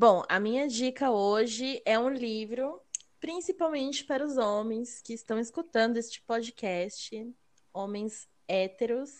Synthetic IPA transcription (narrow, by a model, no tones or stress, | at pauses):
bõw̃ɐ̰mĩɲɐd͡ʒikɐoʒɪʔɛũlivɾʊpɾĩsipawmẽnt͡ʃɪ̥paɾʊzõmẽj̃skɪːst̪ɐ̃w̃ɪskut̪ɐ̃nd̪ʊest͡ʃɪ̥pɔd͡ʒɪkɛst͡ʃɪ | õmẽj̃z | ɛt̪eɾʊs